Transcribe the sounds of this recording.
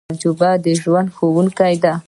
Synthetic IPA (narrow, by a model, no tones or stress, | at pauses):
ɾd͡ʒʊbad̪əʒwand̪xowuŋkajd̪a